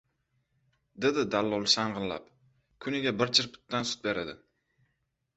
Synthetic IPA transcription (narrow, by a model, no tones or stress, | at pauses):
d̪ed̪ɪd̪alːɒlˠʃaɴʁɨnla̰p | kʰʊnɪɡʲabɪɾt͡ʃʰɪɾpʰɪ̥t̪ːansʊ̥t̪̚be̞ɾad̪ɪ